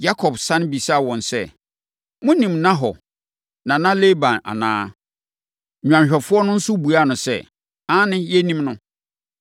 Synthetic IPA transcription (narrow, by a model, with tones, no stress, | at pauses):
ja˦kʰɔ˨bsã˦n˦bi˨sa˦˨wɔ̃˨nsɛ˦ | mʊ̃˦nĩ˨mnã˦ɦɔ˨ | nã˨nã˦le˦bã˨na̰˨nã̰ː˦ | ɲᶣ˨ã˨ɲɕᶣɛ˨fʊ˦ɔ˦nʊ̃˦n̩˦sʊ˦bu˨a˦˨nʊ̃˨sɛ̰˦ | ã˦nɪ̃˦jɛ˦nĩ˦mnʊ̃˦